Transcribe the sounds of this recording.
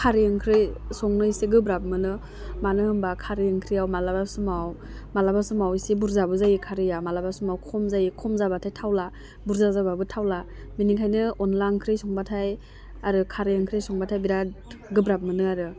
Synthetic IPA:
kʰaɾiɯŋkʰɾɯjsɔŋnɯjseɡɯbɾap̚mɯnɯ | manɯɯmbakʰaɾiɯŋkʰɾijawmalabasumaw | malabasumawisebuɾzabɯzajikʰaɾɯjamalabasumawkʰɔmzajikʰɔmzabatʰajtʰawla | buɾzazababɯtʰawla | miniŋkʰajnɯɔnlankʰɾɯjsɔŋbatʰaj | aɾɯkʰaɾɯjɯŋkʰɾɯjsɔŋbatʰajbiɾa | ɡɯbɾap̚mɯnɯaɾɯ

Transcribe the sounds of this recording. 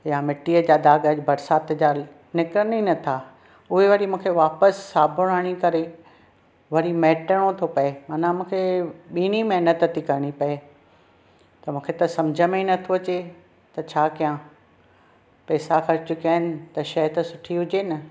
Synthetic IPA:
jamɪʈːiːəd͡ʑaːd̪aːɡəd͡ʑbɐɾsaːt̪d͡ʑa | nɪkɾəninɐt̪ʰa | ʊɦeʋɐɾimũːkʰeʋaːpəsːaːbʱʊɽ̃aːɽ̃ikɐɾe | ʋɐɾimɛːʈəɽ̃ot̪ʰopɐemaːnãmũːkʰeɓiːñimɐɦnət̪t̪ʰikɐɾɪɽ̃ipɐe | t̪ɐmũːkʰet̪ɐsɐmd͡ʑʱəmẽnɐt̪ʰoɐt͡ɕe | t̪ɐt͡ɕʰaːkijã | pɛːsaxɐɾt͡ɕʊkijaːɦɪnɪ̆t̪ɐʃɐjt̪ɐsʊʈʰiɦʊd͡ʑeːnɐ

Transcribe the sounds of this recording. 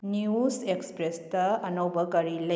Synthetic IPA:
niusekspɾestɐɐnɐwbʱɐkɐɾilɐ

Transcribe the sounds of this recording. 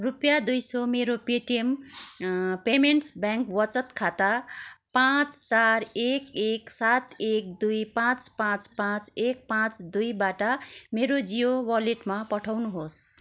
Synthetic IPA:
rupjad̪ujsomeɾopeʈiem | pemeɳʈsbjaŋkwʌt͡sʌt̪kʰat̪apãt͡st͡saɾekeksat̪ek̚d̪ujpãt͡spãt͡spãt͡sek̚pãt͡sd̪ujbaʈʌmeɾod͡zijowʌleʈmapʌʈʰawnuɦos

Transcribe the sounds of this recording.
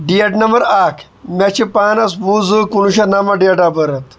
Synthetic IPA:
ɖieʈnɐmbɐɾaːkʰ | mʲɐt͡ʃʰipaːnɐs̬buːzukunuɕɐnɐmɐɖiɐʈabɐɾɐt̪

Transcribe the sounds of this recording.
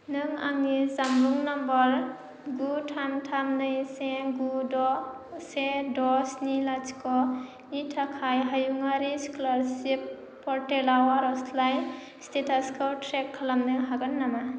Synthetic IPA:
nɯŋa̰ŋnizamɾuŋnɔmbɔɾ | ɡutʰantʰamnɯjseɡudɔ | sedɔsnilat͡ʃkɔ | nitʰakʰajɦajuŋaɾiskulaɾsipː | ɔɾtelawaɾɔslaj | stetaskʰawtʰɾekʰːalamnɯɦaɡɯnːama

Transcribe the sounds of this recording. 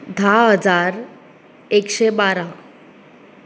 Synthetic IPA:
d̪ʱaɦəd͡zaɾ | ekɕebaɾa

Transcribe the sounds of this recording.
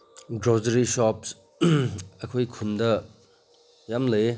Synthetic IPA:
ɡɾɔzɐɾisɔps | ɐkʰojkʰundɐ | jamlɐ

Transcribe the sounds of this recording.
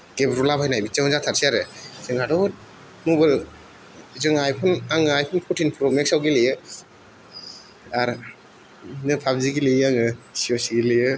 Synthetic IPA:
ɡ̥ebɾulabʰajnajbit͡ʃaɔnzat̪ʰaɾsiaɾɯzɯŋadɔt̚ | mubɯl | zɯŋajpʰɔnaŋɯajpʰɔnpʰɔtʰinpʰɾɔmeksawɡilijɯ | aɾ | nɯpʰabziɡiliaŋɯsiɔsiɡilijɯ

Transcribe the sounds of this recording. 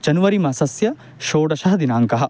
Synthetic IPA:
d͡ʒɐnuʋɐɾimɐsɐsjɐ | ʃoːɽɐʃɐɦɐd̪inaːŋkɐɦɐ̆

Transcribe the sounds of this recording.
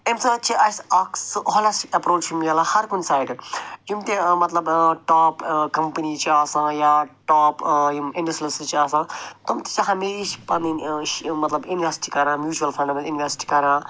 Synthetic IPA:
emsɐt͡ʃʰiʔɐsaksɨʔolɐsʈikɐpɾoːt͡ʃumiɡɐːlahɐɾkunsaːjɖd͡ʒumt̪emɐt̪lɐbʈaːpkɐmpənit͡ʃʰiaːsãːjaːʈaːpmɪ̃ɳɖɐslɐszt͡ʃiaːsãːt̪ɐmt̪e̥t͡ʃɐɦɐmeːɾiʃpɐ̃niʃmɐt̪lɐbunʋesi̥ʈikɐɾãːmjuːt͡ʃuɐlfʰɐ̃ɳɖmɐinʋesʈi̥kɐɾãː

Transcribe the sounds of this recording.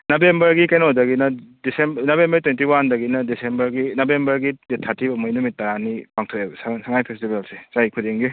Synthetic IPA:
nabembɐɾɡikajnodɐɡinɐdisembnabembɐɾtwentiwandɐɡinɐdisembɐɾɡinabembɐɾɡidetʰatʰibɐmɔjnumit̚ːaɾanipaŋtʰɔebsasaŋajpʰestibelsesajkʰudeŋɡi

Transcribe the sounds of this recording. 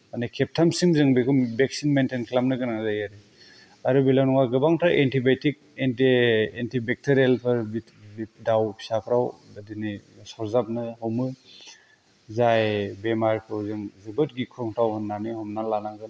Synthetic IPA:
anikʰep̚tʰamsiŋzɯŋbikʰumbek̚sinmentenkʰlamnɯɡɯnazajaɾi | aɾɯbilawnɔŋaɡɯbaŋtʰaʔentibetik̚ententibek̚tʰeɾielpʰɯɾbi | bidawpʰi̥sapʰɾawdadinisɔɾzap̚nɯɦɔwmɯ | zajbemaɾkʰɯwzɯŋzɯbɯt̚ɡikʰɾɔŋtʰawhɯnːanihɔmnalanaŋɡɯn

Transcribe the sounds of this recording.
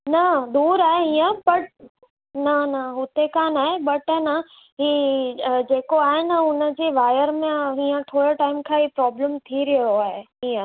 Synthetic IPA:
nɐd̪uːɾaːɦeɦĩːə̃pɐʈ̚ | nɐnɐɦʊt̪ekãnaːɦebɐʈnɐ | ɦiːd͡ʑeːkoaːɦɪnɪʊnə̆d͡ʑeːʋaːjəɾmẽɦiːə̃t̪ʰoːɽoʈaːɪmkʰãɦipɾɔːbləmt̪ʰiɾiɦoaːɦeɦiːə̃

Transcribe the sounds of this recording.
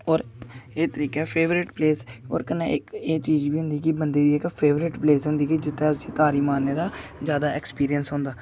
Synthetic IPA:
ɔːɾet̪əɾiːkeːpʰeːʋɾɪʈpleːsɔ̰ːɾkəneːɪkeːt͡ʃiːd͡ʒbiːɦʊ̃nd̪iːkibənd̪eːd̪iːɛːkpʰeːʋɾɪʈpleːsɦʊ̃nd̪iːkid͡ʒɪt̪ːɛːsiːt̪aːɾiːmaːnːeːd̪aːzjaːd̪aːɛkspiːɾijənsɦʊ̃ːnd̪aː

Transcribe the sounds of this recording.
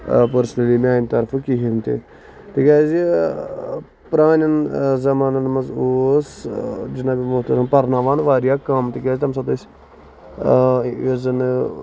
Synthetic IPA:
pəɾsnɐlimʲaːnt̪ɐɾfkiɦint̪ḭ | t̪ikʲaːzi | pɾaːnɐnzɐmaːnɐnmɐzoːsd͡ʒinaːbimʊɦt̪ɐɾɐnpɐɾnaʋaːnʋaːɾijaːkaːmt̪ikʲaːzʲt̪ɐms̬ɐt̪ɐt͡ʃ | izɐn

